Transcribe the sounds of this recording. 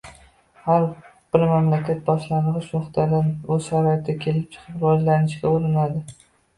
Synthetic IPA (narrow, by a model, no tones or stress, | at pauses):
haɾb̥ɪɾmamlakʲat̪̚bɒʃlanɨʁɨʃmoχt̪ʰad̪anɵzʃaɾɒjt̪ʰːakʲʰe̞lɪp̚t͡ʃʰɨ̥qʰɨpɾɒd͡ʒlanɪʃkʲaoɾɪnad̪ɪ